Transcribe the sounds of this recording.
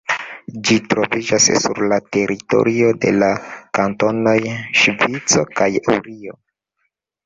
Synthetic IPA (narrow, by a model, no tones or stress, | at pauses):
d͡ʒitɾo̞vid͡ʒassṵɾlate̞ɾito̞̰ɾio̞de̞̰lakanto̞no̞jʃvit͡so̞kajṵɾio̞